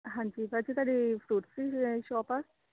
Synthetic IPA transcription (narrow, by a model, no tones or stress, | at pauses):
ɦãɲd͡ʑiːbad͡ʑit̪aɽifɾuʈsiɕɔpa